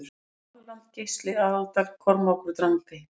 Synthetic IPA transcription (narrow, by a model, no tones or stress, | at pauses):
lalan̥t̪̚cejst̪lɪaːalt̪ak̪kʰɔɾmɔkʏɾt̪ɾaŋkaj